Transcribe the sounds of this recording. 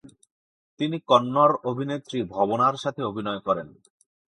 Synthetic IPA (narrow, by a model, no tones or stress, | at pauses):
t̪inikɔnːoɾobʱinet̪ːɾibʱɔbonaɾʃat̪ʰeobʱinɔekɔɾen